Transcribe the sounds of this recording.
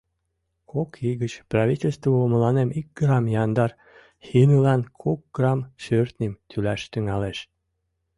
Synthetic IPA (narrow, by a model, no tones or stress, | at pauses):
kʰokʰiɣət͡ɕprɑβitʲelʲst̪voomə̆lɑnemik̚ɡrɑmjɑnd̪ɑr | xinəlɑnkʰok̚ɡ̥rɑmʃørt̪nʲimt̪ʰylæʃt̪yŋɑleʃ